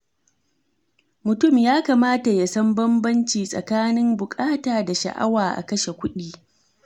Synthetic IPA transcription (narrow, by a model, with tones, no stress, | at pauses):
mʊ˨tʊ˦˨mjaː˦kaː˨maː˦ta˨ja˦sɐ˦mbɐ˦mbɐ˦nt͡ʃiː˨sʼɐ̰˨kaː˦nɪ˦mbʊ˨kʼaː˦taː˨da˨ʃa̰˨ʔa̰˦waː˨ʔa̰˨kɐ˦ʃe˨kʷʊ˦ɗiː˦